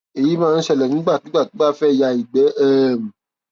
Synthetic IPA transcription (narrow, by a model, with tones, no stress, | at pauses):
e˨ji˨˦mãː˦˧n̩˦ʃɛ˧lɛ˨nĩ˨˦ɡ͡ba˦˨ti˨˦ɡ͡ba˦˨ti˨˦ɡ͡ba˦fɛ˦˨ja˧i˨ɡ͡bɛ˨˦ʔɛ˦˨m̩˨